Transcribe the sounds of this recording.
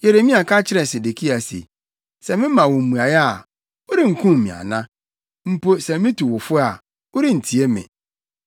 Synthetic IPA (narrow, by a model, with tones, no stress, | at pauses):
je˨ɾe˨mĩ˦a˨kʰa˦t͡ɕʰɪ˦ɾɛ˨se˨de˨kʰi˦a˨sḛ˨ | sɛ˨mɪ̃˦mã˨wɔ̃˨m̩˨mũ˨a˨jɛ˦a˨ | o˦ɾi˦ŋ̩˨kʰũ˦m˨mĩ˨a̰˨nã˦ | m̩˦po˦sɛ˨mɪ̃˦tʰu˨wʊ˨fʊ˦a˨ | o˦ɾi˦n̩˨tʰi˨e˦mɪ̰̃˨